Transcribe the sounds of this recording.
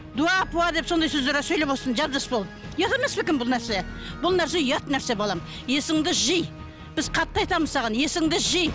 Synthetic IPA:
d̪uɑpuɑd̪e̞pso̞nd̪ɑjsɵzd̪eɾsɵjleposənʒɑbʒɑspolˠd̪ | jɑt̪eme̞spɪkʲɪmbʊlˠnæɾsebʊlˠnæɾs̬ejɑt̪næɾse̞bɑlˠɑm | je̞sɪŋd̪ɪʒəj | b̥ɪzqʰɑt̪ːɑɑjt̪ɑməzsɑʁɑnje̞sɪŋd̪ɪʒəj

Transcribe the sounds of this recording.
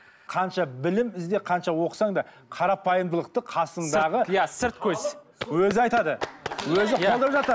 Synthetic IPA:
qʰɑnʃɑbɪlɪmɪzd̪eqʰɑnʃɑwo̞qə̥sɑɴd̪ɑ | qʰɑɾɑpɑjəmd̪əlˠəq̚t̪əqʰɑsəɴd̪ɑʁəjsɪɾt̪̚kʲʰɵz | wɵzɪɑjt̪ɑd̪əwɵzɪqolˠd̪əɾəpʒɑt̪ɾ

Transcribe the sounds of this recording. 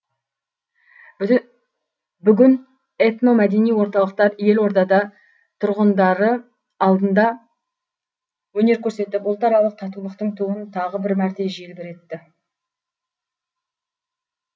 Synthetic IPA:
bʏɡʲɪn | et̪no̞mæd̪e̞nijwo̞ɾt̪ɑlˠəq̚t̪ɑɾje̞lwo̞ɾd̪ɑd̪ɑ | t̪ʰʊɾʁənd̪ɑɾəː | lˠd̪ənd̪ɑ | wɵne̞ɾkʲʰɵɾse̞t̪ɪpʊlˠt̪ɑɾɑlˠəq̚t̪ʰɑt̪ulˠəqt̪əɴt̪ʰuənt̪ʰɑʁəbɪɾmæɾt̪e̞ʒielbeɾe̞t̪ːɪ

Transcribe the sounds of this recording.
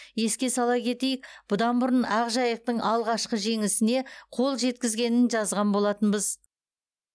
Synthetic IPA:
je̞skʲe̞sɑlˠɑkʲʰe̞t̪e̞jɪkb̥ʊd̪ɑnbʊɾənɑʁʒɑjəq̚t̪əɴʔɑlˠʁɑʃqəʒe̞ŋɪsɪne̞qʰo̞lˠʒe̞t̪kʲɪzɡʲe̞nɪnʒɑzʁɑnbo̞lˠɑt̪ənbəz

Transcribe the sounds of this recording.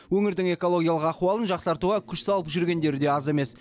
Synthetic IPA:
wɵŋɪɾd̪ɪŋe̞ko̞lˠo̞ɡʲijɑlˠəqɑχuɑlˠənʒɑqsɑɾt̪uʁɑkʲʰʏʃsɑlˠəpʒʏɾɡʲe̞nd̪e̞ɾɪd̪e̞ɑze̞me̞s

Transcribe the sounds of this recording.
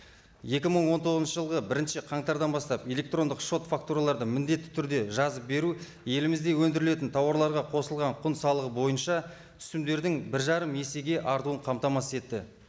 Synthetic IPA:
je̞kʲɪməɴwo̞nt̪ʰo̞ʁznʃəʒəlˠʁəbɪɾɪnʃɪqʰɑɴt̪ɑɾd̪ɑnbɑst̪ɑpe̞lʲe̞k̚t̪ro̞nd̪əqʃo̞t̪fak̚t̪uɾalˠɑɾd̪əmɪnd̪e̞t̪ːɪ̥t̪ʰʏɾd̪e̞ʒɑzəp̚be̞ɾu | je̞lɪmɪzd̪e̞wɵnd̪ɪɾɪle̞t̪ɪnt̪ʰɑwɑɾlˠɑɾʁɑqʰo̞səlˠʁɑɴqʰʊnsɑlˠəʁəbo̞jənʃɑ | tʏ̥st̪ɪmd̪e̞ɾd̪ɪŋbɪɾʒɑɾəmje̞se̞ɡʲe̞ʔɑɾt̪uəɴqʰɑmt̪ɑmɑsəe̞t̪ːɪ̰

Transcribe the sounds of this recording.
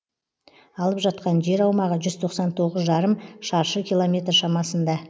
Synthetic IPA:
ɑlˠəpʒɑt̪̚qɑnʒe̞ɾɑwmɑʁəʒʏz̥t̪ʰo̞qsɑnt̪ʰo̞ʁəzʒɑɾəmʃɑɾʃəkʲʰijlˠomʲe̞t̪rʃɑmɑsənd̪ɑ

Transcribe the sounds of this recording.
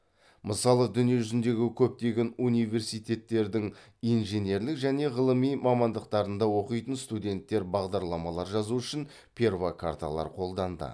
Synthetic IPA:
məsɑlˠəd̪ʏnijeʒʏzɪnd̪e̞ɡʲɪkʲʰɵp̚t̪e̞ɡʲe̞nunijve̞ɾsijt̪e̞t̪ːe̞ɾd̪ɪŋ | ijnʒe̞nʲe̞ɾlɪkʒæne̞ʁəlˠəmijmɑmɑnd̪əqt̪ɑɾənd̪ɑwo̞qəjt̪ənst̪ud̪ʲe̞nt̪ːe̞ɾbɑʁd̪ɑɾlˠɑmɑlˠɑɾʒɑzuʏʃɪn | pʰʲe̞rvakʰa̰ɾt̪a̰lˠɑ̰ɾqʰo̞lˠd̪ɑnd̪ə̰

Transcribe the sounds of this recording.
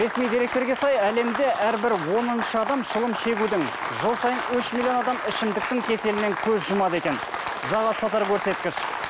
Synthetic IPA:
ɾe̞smijd̪eɾe̞k̚t̪e̞ɾɡʲe̞sɑjæle̞md̪e̞ʔæɾbɪɾwo̞nənʃəɑd̪ɑmʃəlˠəmʃe̞ɡʲud̪ɪŋ | ʒəlˠsɑjənʏʃmilʲˠijo̞nɑd̪ɑmɪʃɪmd̪ɪk̚t̪ɪŋkʲʰe̞se̞lɪne̞ŋkʲʰɵzʒʊmɑd̪əe̞kʲe̞n | ʒɑʁɑst̪ʰɑt̪ɑɾkʲʰɵɾse̞t̪̚kʲɪʃ

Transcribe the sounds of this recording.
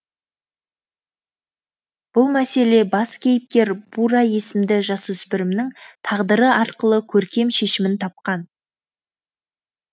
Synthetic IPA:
b̥ʊlˠmæse̞le̞bɑskʲʰe̞jɪp̚kʲe̞ɾb̥uɾɑje̞sɪmd̪ɪʒɑsɵspɪɾɪmnɪŋt̪ʰɑʁd̪əɾəɑɾqəlˠəkʲʰɵɾkʲe̞mʃe̞ʃɪmɪnt̪ʰɑp̚qɑn

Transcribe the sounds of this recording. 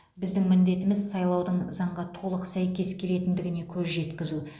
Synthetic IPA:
bɪzd̪ɪŋmɪnd̪e̞t̪ɪmɪzsɑjlˠɑwd̪əɴzɑɴʁɑt̪ʰo̞lˠəqsæjkʲe̞skʲʰe̞le̞t̪ɪnd̪ɪɡʲɪne̞kʲʰɵzʒe̞t̪kʲɪzu

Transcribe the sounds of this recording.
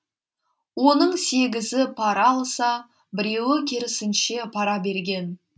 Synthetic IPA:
wo̞nəɴse̞ɡʲɪzɪpʰɑɾɑlˠsɑ | bɪɾe̞wɪkʲʰeɾɪsɪnʃe̞pʰɑɾɑbe̞ɾɡʲe̞n

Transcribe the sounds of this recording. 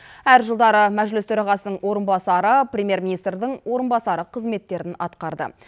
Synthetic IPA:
æɾʒəlˠd̪ɑɾəmæʒlɪst̪ʰɵɾɑʁɑsənəɴwo̞ɾənbɑsɑɾəprʲemʲje̞ɾminijst̪rd̪ɪɴwo̞ɾənbɑsɑɾəqʰəzme̞t̪ːe̞ɾɪnɑ̰t̪qɑɾd̪ə̰

